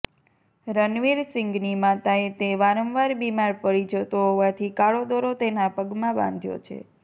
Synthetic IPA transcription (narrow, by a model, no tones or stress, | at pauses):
ɾənʋiɾsɪŋɡnimat̪aet̪eʋaɾəmʋaɾbimaɾpəɭid͡ʒət̪oɦoʋat̪ʰikaɭod̪oɾot̪enapəɡmãbã̰nd̪ʱjo̰t͡ʃʰḛ